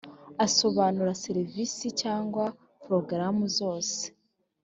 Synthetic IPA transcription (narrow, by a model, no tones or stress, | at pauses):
aso̞βaːnuɾaseɾivisicaːŋɡwa | pɾo̞ɡɾamuzo̞ːse̥